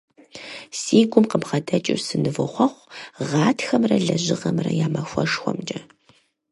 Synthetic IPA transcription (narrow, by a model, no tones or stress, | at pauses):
siːɡʷʼʊmqəbʁɐdɐt͡ʃʼɪrsɨnɨvɨχʷɐχʷʁɑːtʰxɐmrɐɮɐʑɪʁɐmrɐ̰jaːmɐxʷɔʂxʷɔ̰md͡ʒʼɐ